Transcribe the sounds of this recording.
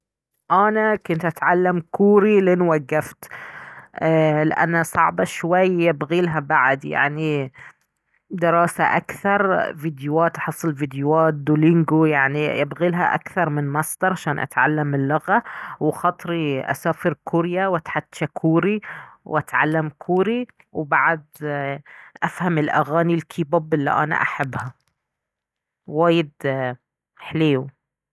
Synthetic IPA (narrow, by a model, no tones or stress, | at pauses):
ʔanakʊnt̪ʔat̪ʕalːamkuːɾilɪnwaɡːaft̪ | alɪ̰ʔa̰nːhasˤɑʕbɑʃwajːabɣiːlɦabaʕd̪ja̰ʕni | d̪ɪɾˤɑːsa̰ʔa̰kθɑɾˤviːd̪jʊwaːt̪ʔɑħɨsˤːɨlviːd̪jʊwaːt̪̚d̪ulɪŋɡujaʕnijabɣilɦa̰ʔa̰kθɑɾˤmɪnmɑsˤd̪ɑɾˤʕaʃaːnʔa̰t̪ʕalːamɪlːʊɣawxɑt̪ˤɾiʔa̰saːfɪɾkʰuɾjawat̪ħad̪ːʃakʰuːɾiwʔat̪ʕa̰lːamkʰuːɾi | wbaʕd̪ | ʔafhamɪlʔa̰ɣaːnilkʰiːbabɪlːḭʔa̰na̰ʔaħabːha | waːjɪd̪ | ħleː